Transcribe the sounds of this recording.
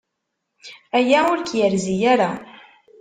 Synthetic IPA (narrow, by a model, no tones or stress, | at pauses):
æjæʊɾkjəɾzijaɾa